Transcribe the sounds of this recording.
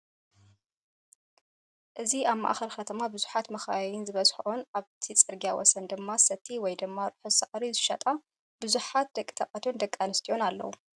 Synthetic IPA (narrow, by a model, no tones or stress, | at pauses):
ʔɨziaβma̰ʔa̰xɐɾxɐt̪ʰɐmabɨzuħat̪mɐxajɪnzɨβɐzħunʔaβt̪ʰit͡sʼɨɾɡijawɔ̰sɐnd̪ɨmːasɐt̪ʰːiwɔjd̪ɨmːaɾɨħusaʔɾizɨʃɐt̪ʼa | bɨzuħat̪̚d̪ɐkʼi̥t̪ʰɐkʼɐt̪ʰiond̪ɐkʼːanɨst̪ʰio̞nalːɐ̰wu